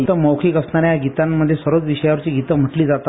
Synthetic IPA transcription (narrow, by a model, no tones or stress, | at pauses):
t̪əməwkʰiːkəsnaɾjaɡit̪amːəd̪ʱːjesʋəɾʋət͡sʋiɕəjaʋəɾt͡ɕiːɡit̪əm̤əʈliːd͡zat̪a